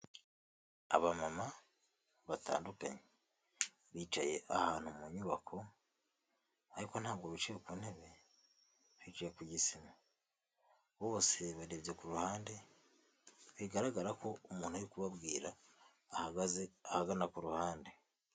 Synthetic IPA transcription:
a̰βamama | βata̰ːnduka̰ɲe | βiːt͡ʃaje̞ʔahaːn̥humuɲuβa̰kʰo̞ | aɾiko̞nhaːβɡoβit͡ʃejokuːn̥he̞βe̞ | βiːt͡ʃajekuɟisima | βoβoseβaɾeβjekuɾuhaːnde̞ | βiɡaɾaɡaɾakʰo̞umuːnhujikuβabɡiːɾaː | haɡazeahaɡanakuɾuhaːnde̞

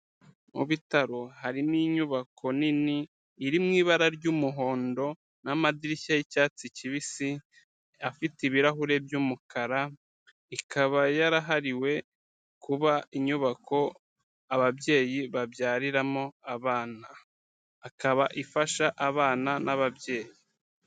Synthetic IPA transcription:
mṵβitaɾo̞haɾiniɲuβakʰo̞niniː | ɾimŋiːβaɾaɾɟuːmuɦo̞ːndo̞ | namadiɾiçajicaːt͡siciβisi | afitiβiɾaɦuɾe̞bjuːmukʰaɾa | ikʰaβajaɾaɦaɾiwe̞ | kʰuβaiɲuβakʰo̞ | aβabje̞ːjiβabjaːɾiɾamoaβaːnaː | kaβaʔifaʃaʔaβaːnanaβabje̞ːji

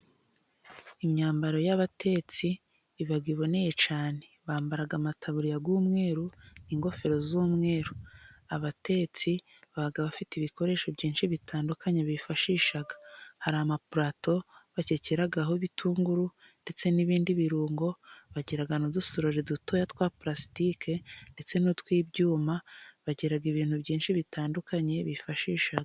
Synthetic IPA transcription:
iɲɲaːmbaɾo̞jaβatʰe̞t͡siː | βaɡwiβo̞ne̞je̞t͡ʃaːne̞βaːmbaɾaɡamatʰaβuɾijaɡuːmŋe̞ːɾuniːŋɡo̞fe̞ɾo̞zumŋe̞ːɾuaβate̞t͡si | βaaɡaβafitiβiko̞ɾe̞ːʃo̞bɟiːnʃiβitʰaːndukaɲeβifaʃiːʃaɡḁhaɾaamapuɾato̞βaceceɾaɡaɦo̞βitʰuːŋɡuɾu | nde̞t͡se̞niβiːndiβiɾuːŋɡo̞βaɟeɾaɡanudusoɾoɾiduto̞jatwaːpɾasi̥tike̞nde̞t͡se̞nutwiːbɟuːmaβaɟeɾaɡiβiːn̥hubɟiːnʃiβitaːndukaɲe̞βifaʃiːʃaɡa

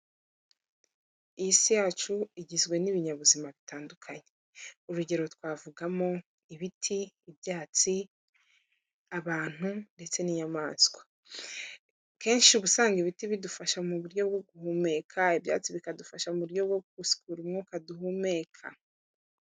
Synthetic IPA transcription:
ijisijaːt͡ʃuiɟizɡwe̞niβiɲaβuzimaβitaːndukʰaɲe̥ | uɾuɟe̞ɾo̞twaːvuɡamo̞ | iβitʰiːbjaːt͡si | aβaːn̥unde̞t͡se̞nijamaːsɡwa | ke̞ːnʃiuβusaːŋɡiβitiβidufaʃamuβuɾjo̞b̚ɡo̞ɡuhume̞kʰaibja̰ːt͡siβikadufaʃamuɾjo̞bɡo̞kusi̥kʰuːɾumŋukaduhume̞ːkʰa̰

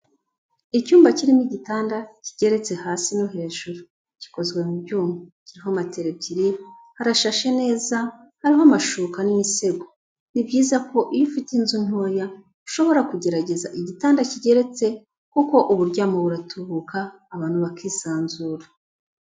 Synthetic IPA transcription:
icuːmbaciɾimiɟitaːndaciɟe̞ɾe̞t͡se̞haːsinoɦe̞ːʒuɾu | ci̥ko̞zɡwe̞mubɟuːmbuciɾiɦomateɾebɟiɾi | haɾaʃaʃe̞ne̞ːza | haɾiɦoamaʃuːkanimise̞ɡo | nibɟiːzako̞ʔijifitinzun̥hoːja | u̥ʃo̞βo̞ɾakuɟe̞ɾaɟe̞za̰ʔiɟitaːndaciɟe̞ɾe̞t͡se̞ | kuko̞ʔuβuɾɟaːmoβuɾatʰuβukʰaː | βaːn̥huβakʰiːsaːnzuɾa

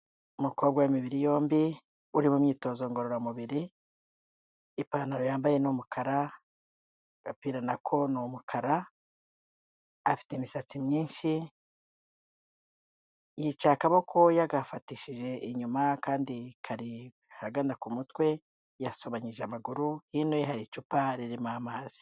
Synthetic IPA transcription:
umukobɡajimiβiɾijo̞ːmbi | uɾimumɲiːto̞ːzo̞ŋɡo̞ɾoɾamuβiɾi | paːnaɾojaːmbaje̞numukʰaɾa | ɡ̥apiːɾanakʰo̞nomukʰaɾa | fi̥temiʃat͡simɲiːnʃi | jit͡ʃakaβo̞kʰojaɡafatiʃiʒe̞ʔiɲumakaːndikʰaɾi | haɡandakumutwe̞ | jaso̞βaɲiʒeamaɡuɾuhiːnoɦaɾit͡ʃupaɾiɾimaːmaːz̥i̥

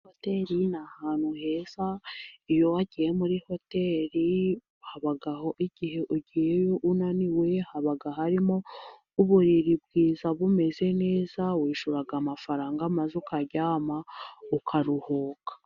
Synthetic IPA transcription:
hote̞ɾinahaːn̥huhe̞zaijo̞waɟije̞muɾiho̞te̞ːɾi | haβaɡaho̞ʔiɟ̥ihe̞ʔuɟijejoʔunaniwe̞haβaɡaɦaɾimo | uβuɾiɾibɡiːzaβume̞ze̞ne̞ːzawiːʃuɾaɡamafaɾaːŋɡamazukaɟaːmaukʰaɾuhoːkḁ

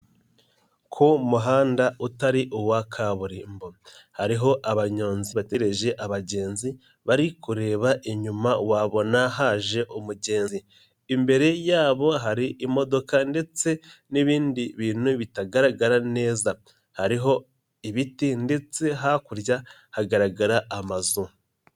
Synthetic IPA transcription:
kʰomuɦaːndautaɾiʔuwakʰaβuɾiːmbo̞haɾiɦo̞ʔaβaɲo̞ːnziβate̞ɾe̞ʒe̞ʔaβaɟe̞ːnzi | βaɾikuɾe̞ːβaʔiɲumawaβo̞naɦaːʒe̞ʔumuɟe̞ːnzi | imbe̞ɾe̞jaːβo̞ɦaɾiʔimo̞do̞kande̞t͡se̞niβiːndiβiːnuβitaɡaɾaɡaɾane̞ːza | haɾiɦo̞ | iβitinde̞t͡se̞ɦakuɾja | haɡaɾaɡaɾaːmazu

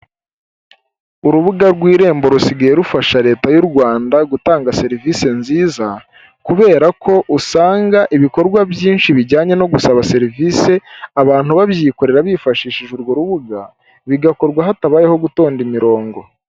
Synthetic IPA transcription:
uɾuβuɡaɾɡwiːɾe̞ːmbo̞ɾusiɡaje̞ɾufaʃaɾe̞ːtajuɾɡwaːndaɡutaːŋɡase̞ɾivise̞nziːza | kuβe̞ːɾakʰo̞ʔusaːŋɡaʔiβiko̞ɾɡwabjiːnʃiβiɟaːɲe̞no̞ɡusaβase̞ɾivise̞aβaːn̥huβaβjiːko̞ɾe̞ɾaβifaʃiːʃiʒuɾɡoɾuβuɡa | βiɡako̞ɾɡwaɦataβaːje̞ho̞ɡuto̞ːndimiɾo̞ːŋɡo̞

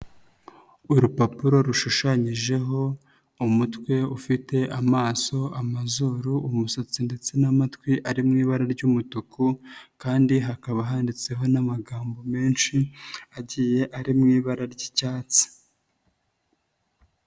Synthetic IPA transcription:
uɾupapuɾo̞ɾuʃuʃaɲiʒe̞ɦo̞ | umutkwe̞ufite̞ʔamaːso̞amazuɾuːmusot͡sinde̞t͡se̞namatkwiʔaɾimŋiːβaɾaɾɟumutukukaːndiɦakaβaɦaːndit͡se̞ɦo̞namaɡaːmbo̞me̞ːnʃiaɟije̞ʔaɾimŋiːβaɾaɾɟicaːt͡si̥

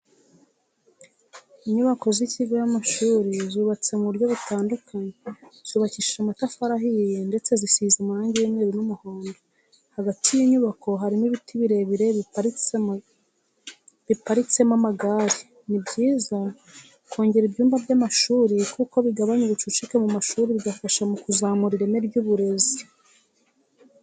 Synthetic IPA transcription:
iɲuβako̞ziciɡojamaʃuːɾizuːβat͡se̞muβuɾɟo̞βitaːndukʰaɲez̥uːβaciʃamatafaɾaɦijende̞t͡se̞zisizamuɾaːɲɟijimŋeːɾinumuhoːndo | haɡatʰijiɲuβakʰo̞ɦaɾimiβitʰiβiɾe̞βiɾe̞t͡sem | βipaɾit͡se̞mamaɡaːɾi | nibɟiːza | ko̞ːɲɟe̞ɾibɟuːmbabɟamaʃuːɾikuko̞βiɡaβaɲiβit͡ʃut͡ʃikemumaʃuːɾiβiɡafaʃamukuzaːmuɾiɾeneɾɟuβuɾe̞zi

